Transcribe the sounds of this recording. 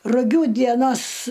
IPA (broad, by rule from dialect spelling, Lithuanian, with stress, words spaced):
rʊˈɡʲuː dʲiɛˈnoːs